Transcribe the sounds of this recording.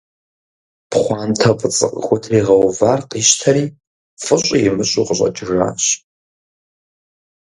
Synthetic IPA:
pχʷɑːntʰɐpʼət͡sʼɨqʼə̰xʷʊtʰriːʁɐwvaːrqʼiːʃtʰɐɾiː | fʼɨɕʷʼijɪmɨɕʼuqʼəɕʼɐ̰d͡ʒɪʐa̰ːɕ

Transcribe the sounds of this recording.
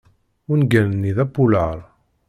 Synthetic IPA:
ʊnɡænənːiðæpːuləɾˤ

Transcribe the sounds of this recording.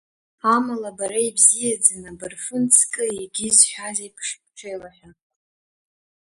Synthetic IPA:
amalabaɾaibzijad͡zanabɨrfɨnt͡sʰkʼɨiɡʲɪzħʷᶣazajpʰʂp̚ʰʼʈ͡ʂʷʰejlaħʲʷᶣa

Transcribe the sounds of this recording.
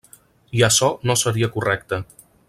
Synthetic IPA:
iəsɔnosəɾiəkurɛk̚t̪ə

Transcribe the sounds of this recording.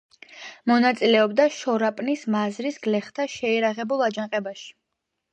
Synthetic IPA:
mɔnat̪sʼilɛɔbd̪aʃɔɾapʼnismazɾisɡlɛχt̪ʰaʃɛɛɾaʁɛbulˠad͡ʒãqʼɛbaʃi̥

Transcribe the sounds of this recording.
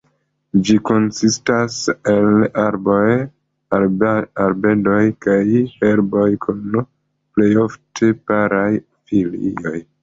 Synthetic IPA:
d͡ʒiko̞nsistaselaɾboj | aɾbe̞do̞jkajheɾbojkʰun | ple̞jo̞ftʰepaɾaj | filḭo̞j

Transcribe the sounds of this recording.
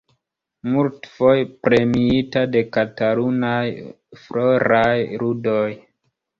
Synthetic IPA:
multfojpɾe̞miitade̞kataɾunaj | fɾoɾajɾudoj

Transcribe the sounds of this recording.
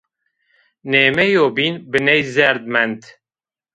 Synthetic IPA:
neːmɛjoːbiːnbɨnɛjzɛɾd̪̚mɛnt̪

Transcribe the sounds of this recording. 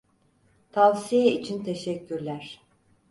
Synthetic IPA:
t̪ʰavsijɛit͡ʃʰint̪ʰeʃɛcːyɾlʲæɾ̥

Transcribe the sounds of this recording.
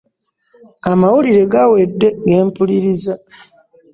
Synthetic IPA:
amawuliɾe̞ɡawe̞dːe̞ɡe̞ːmpuliɾiza

